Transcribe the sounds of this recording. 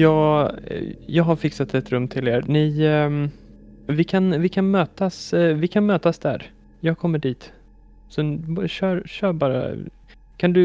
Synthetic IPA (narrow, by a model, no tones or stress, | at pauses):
jɑːɡ̰ | jɑːɡɦaɾfɪksat̪ɛt̪ɾɵmːt̪ʰɪleːɾnɪ | vɪkʰanvɪkʰanmøːt̪asvɪkʰanmøːt̪asd̪æ̰ɾ | jɑːɡ̚kʰɔmːəɖiːt̪ | sɔɕœːɾʃœːɾbɑːɾa̰ | kʰand̪ɵ